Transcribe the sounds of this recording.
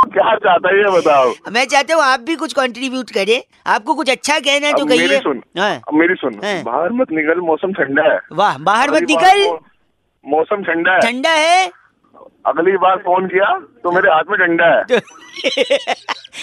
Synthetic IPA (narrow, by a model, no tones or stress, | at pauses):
kjaːt͡ʃaːɦt̪aɦiɦɛbɐt̪aːbmɛ̃ːt͡ʃaːɦt̪aɦũaːp̚bʱikʊt͡ʃʰkɔ̃ːɳʈɾibjuːʈkɐɾẽː | aːp̚kokʊt͡ʃʰɐtːʃʰakɛɦnaɛd͡ʒok̬ɐɦeːɾiɛsʊnɦã̰ːmeːɾisʊnɦãba̰ːɦəɾmɐt̪nɪkəlmɔːsəmʈʰɐ̃ɳɖaɦɛ̰ːʋaɦbaːɦəɾmɐt̪nɪkəl | mɔːsəmʈʰɐ̃ɳɖaɦɛʈʰɐ̃ɳɖaɦɛ | ɐ̰ɡlibaːɾfoːnkijat̪omeːɾeɦaːt̪ʰmẽʈʰɐ̃ɳɖaɦɛːt̪o